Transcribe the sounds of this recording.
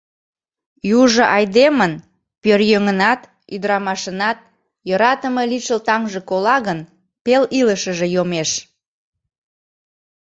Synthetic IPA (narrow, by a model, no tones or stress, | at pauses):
juʒə̆ʔɑjd̪emən | pørjøŋənɑt̪ | yd̪əɾɑmɑʃənɑt̪̚ | joɾɑt̪əməliʃəlt̪ɑŋʒekolɑɣən | peliləʃəʒejomeʃ